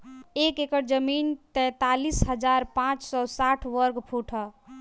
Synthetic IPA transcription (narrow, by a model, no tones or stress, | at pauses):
ekekəɾd͡ʒəmint̪ɛ̃t̪alisɦəd͡ʒaɾpãt͡ʃsɔsaʈʰʋəɾɡpʰuʈʰə